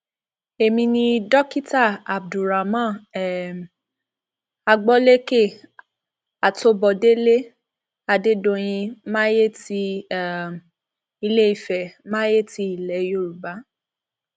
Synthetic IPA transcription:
e˨mĩ˧nĩ˧dɔ˦ki˦ta˦˨a˨b̚du˨ɾa˨mã˦˨ | a˧ɡ͡bɔ˦le˦ke˦˨ | a˨to˧˦bɔ˨de˦le˦ | a˧de˦dõ˧j̃ĩ˧mãː˦je˦ti˧˨ | i˧le˦i˨fɛ˨mã˦je˦ti˧˦i˨lɛ˨˦jo˦˨ɾu˨ba˨˦

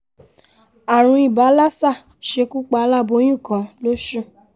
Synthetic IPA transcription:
a˨ɾ̃ũ˧i˨ba˨˦la˦sa˦˨ | ʃe˧ku˦k͡pa˧˦la˦˨bo˧˦j̃ũ˦˨kã˨˦lo˦ʃũ˦˨

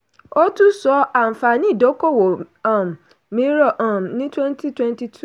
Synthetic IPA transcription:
o˦tu˦sɔ˦a˨m̩˨fa˨nĩ˦˨do˨˦ko˦˨wo˨ | a˦˨m˨ | mĩ˦ɾo˦˨ʔa˨m˨nĩ˦twɛ˦nti˦twɛ˦nti˦tʰu˦˨

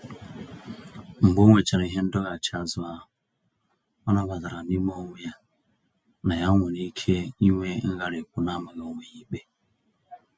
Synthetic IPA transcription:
ŋ͡m̩˨ɡ͡bo˦ŋʷe˨t͡ʃa˨ɾa˨˦i˦ɦe˦n̩˦dɔ˦ɣa˨t͡ʃa˨zʊ˦a˦˨ | ɔ˦na˦ba˨za˨ɾa˨ni˦mo˦ŋʷ˦a˦ | na˨ja˦ŋʷe˨ni˦kʰe˦i˦ŋʷe˦ŋ̩˦ɣa˦ɾe˨kʷu˦na˦ma˨ɣa˨o˨ŋʷe˨ɲi˦k͡pe˦

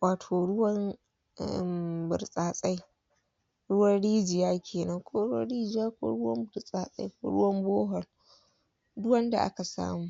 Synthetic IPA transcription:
waː˨tʰoː˨ɽʊ˦wɐ˦n̰˦˨ | bʊ˨ɾsʼaː˨sʼa˦j | ɽʊ˦wɐ˦nɽiː˦d͡ʒɪ˨jaː˦kʲʰeː˨nɐ˦ŋkʷʰoː˦ɽʊ˦wɐ̰˦ɽiː˦d͡ʒɪ˨˦jaː˦kʷo̰ː˦ɽʊ˦wɐ˦mbʊ˨ɾsʼaː˨sʼa̰˦jkʷo̰ː˦ɽʊ˦wɐ˦mboː˦ɦɔ˨r | dʊ˦wɐ˦nda˨ʔa̰˦ka˨sa̰ː˦muː˦

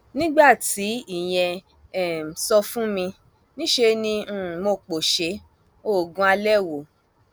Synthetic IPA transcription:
nĩ˦ɡ͡ba˦˨ti˨˦i˦˨j̃ɛ̃˧˨ | sɔ˧fũ˦mĩ˧ | nĩ˦ʃe˧nĩ˧˦˨mo˧k͡po˨ʃe˧ | o˦˨ɡũ˧˦a˧lɛ˦˨wo˨

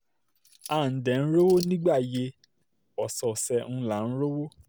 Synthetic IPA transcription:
a˦˨n̩˨dɛ̃˨n̩˦ɾo˦wo˦nĩ˦ɡ͡ba˦˨je˧ | ɔ˨sɔ˨sɛ˧n̩˦˧la˨˦n̩˦ɾo˦wo˦

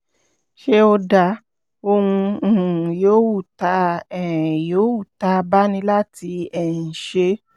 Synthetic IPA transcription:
ʃe˦o˧da˧ | o˧hũ˧˨ | joː˨˦wu˦˨ta˨˧˦ɛ˨ɛ˨joː˨˦wu˦˨ta˧˦ba˦nĩ˧˦la˦ti˧ɛ̃˨ʃe˧˦

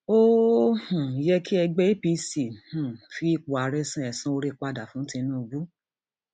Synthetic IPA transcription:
o˦hũ˨jɛ˦ki˦ɛ˧ɡ͡bɛ˦i˦pi˧˦si˨hũ˨fi˦i˦˧˨k͡pu˨a˨ɾɛ˦sã˦ɛ˨sĩ˦o˧ɾe˦˧k͡pa˧da˨fũ˦tĩ˧nũː˦˧ɡu˦

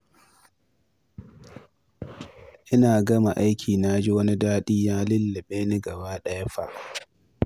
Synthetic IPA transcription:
ʔɪ˦naː˨ɡɐ˦ma˨ʔa˦jkʲʰiː˨naː˦d͡ʒi˦wɐ˦ni˦daː˦ɗiː˦jaː˦lɪ˦lːɪ˨ɓeː˦ni˦ɡɐ˨baː˦ɗɐ˦ja˦ɸa̰˨ʔ

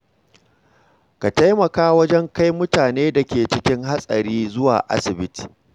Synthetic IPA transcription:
ka˨ta˦jmɐ˨kaː˦wɐ˦d͡ʒɛ˦ŋka˦jmʊ˦taː˨neː˦da˨kʲeː˨t͡ʃɪ˦kʲɪ˦ŋɦa˦sʼɐ̰˨ɽiː˦zʊ˦wa̰ː˨ʔa̰˦sɪ˨bɪ˦ti̥˨

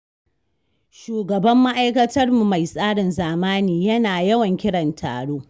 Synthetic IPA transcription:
ʃuː˨ɡɐ˨bɐ˦mːa˦ʔa˦jkɐ˦tɐ˦rmu˨ma˨jsʼaː˦ɽɪ˨nzaː˨maː˦niː˨jɐ˦naː˨jɐ˦wɐ˨ŋkʲɪ˦ɽɐ˨ntʰa̰ː˨ɽoː˦

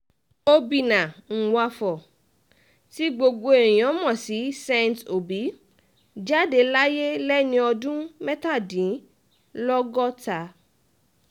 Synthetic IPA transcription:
o˧bi˨nã˨ŋ̩˨wa˧fɔ˨ | ti˦ɡ͡bo˧ɡo˧ẽ˨ɔ̃˨˦mɔ̃˦˨si˨˦sɛ̃˧nto˨bi˨˦ | d͡ʒa˦˨de˧la˦je˦lɛ˦nĩ˧˦ɔ˧dũ˦mɛ˦ta˦˨dĩ˨˦ | lɔ˦ɡɔ˦ta˧

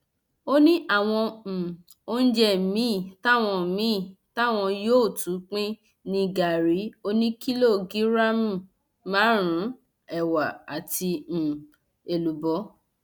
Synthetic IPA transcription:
o˦nĩ˦ʔa˦˨w̃ɔ̃˧˨ | o˦n̩˦d͡ʒɛ˦˨mĩ˨˦˨ta˦˨w̃ɔ̃˧˨mĩ˨˦˨ | ta˦˨w̃ɔ̃˧joː˦˨tu˨˦k͡pĩ˦ | nĩ˧ɡa˨ɾi˨˦o˦nĩ˦ki˦lo˦˨ɡi˦ɾa˦mũ˦˨ | mãː˨˦ɾ̃ũ˨˦ | ɛ˨wa˨a˨tĩ˧˨ | e˨lu˨bɔ˨˦

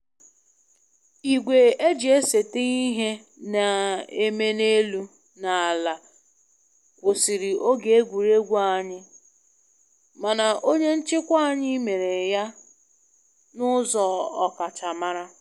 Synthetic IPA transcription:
i˨ɡʷe˨e˦d͡ʒi˨e˦se˨te˦i˦ɦe˦ | na˨e˦me˦ne˦lu˦ | na˨la˨ | kʷʊ˨si˨ɾi˨ʔo˦ɡe˨e˦ɡʷu˨ɾe˦ɡʷa˦˨ɲɪ˦ | ma˨na˨o˦ɲe˦n̩˦t͡ʃɪ˦kʷa˦a˨ɲɪ˦me˨ɾe˨ja˦ | nʊ˦zɔ˨ɔ˨ka˨t͡ʃa˨ma˦ɾa˦

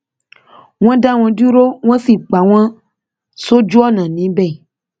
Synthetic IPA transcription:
ŋwɔ̃˦da˦w̃ɔ̃˨du˦ɾo˦ŋɔ̃˦si˨k͡pa˨w̃ã˦ | so˦d͡ʒu˦ɔ˦nã˨nĩ˨˦bɛ˦˨

